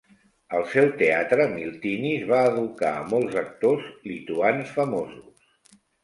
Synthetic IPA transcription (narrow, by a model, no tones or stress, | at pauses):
əlˠsɛwt̪eat̪ɾəmilˠt̪inizβaəðuka̰ə̰mɔlˠzək̚t̪ozlit̪uansfəmozus